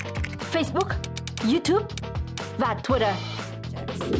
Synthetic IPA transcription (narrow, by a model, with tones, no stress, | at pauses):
fe˧jsɓʊ˦˥k̚ | zu˧t̪ʰju˦˥p̚ | vaː˨˩t̪ʰwi˦ɾə˧˩